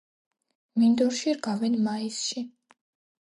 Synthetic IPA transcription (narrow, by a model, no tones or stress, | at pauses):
mind̪ɔɾʃiɾɡavɛnmaisʃi